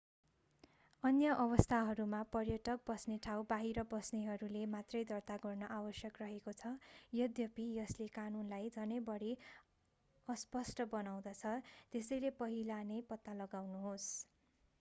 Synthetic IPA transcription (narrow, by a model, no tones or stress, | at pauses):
ʌnjʌʔʌβʌst̪ʰaɦʌɾumapʌrjʌʈʌk̚bʌsneʈʰawbaɦiɾʌbʌsneɦʌɾulemat̪rʌjd̪ʌrt̪aɡʌrnʌʔawʌsjʌkrʌɦekot͡sʰʌjʌd̪jʌpijʌslekanunlajd͡zʱʌnʌbʌɽi | ʌspʌsʈʌbʌnaw̃d̪ʌt͡sʰʌt̪esʌjlepʌɦilanepʌt̪ːalʌɡawnuɦos